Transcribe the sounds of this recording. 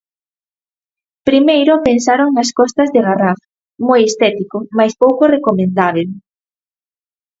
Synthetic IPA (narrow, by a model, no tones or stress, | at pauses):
pɾimejɾopensaɾoŋnɐskɔst̪ɐzðeɣaraf | mojest̪ɛt̪ikomajspowkorekomẽnd̪aβ̞el